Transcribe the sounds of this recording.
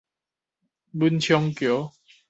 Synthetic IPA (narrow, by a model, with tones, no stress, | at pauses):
bu˦nt͡ɕʰjɔ˧ŋkjo˨˦